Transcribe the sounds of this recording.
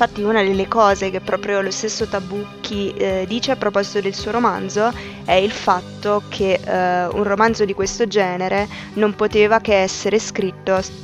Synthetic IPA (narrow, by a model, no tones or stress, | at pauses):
iɱfat̪ːiunad̪elːekɔːzekepːɾɔːpɾjolost̪esːot̪abukʰːid̪iːt͡ʃeapːɾopɔzit̪od̪elsuːoɾomand̪zo | ɛilfat̪ːokʰeṵnromand̪zod̪ikwest̪od͡ʒɛːneɾe | nompot̪eːvakeɛsːeɾeskɾit̪ːo